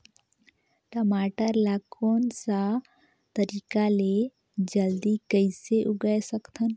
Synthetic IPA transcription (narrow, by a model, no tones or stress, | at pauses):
ʈəmaːʈəɾlakoːnsa | t̪əɾiːkale | d͡ʒəld̪ikəɪseʔʊɡəjsəkt̪ʰən